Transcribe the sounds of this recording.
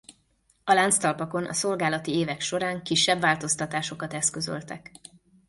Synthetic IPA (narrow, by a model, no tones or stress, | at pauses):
ɒlant̪st̪ɒlpɒko̞nʔɒ̰so̞lɡaːlɒt̪ieːvɛkʃo̞ɾaːŋkiʃːɛbvaːlt̪o̞st̪ɒt̪aːʃo̞kɒt̪ɛskø̞zø̰lt̪ɛk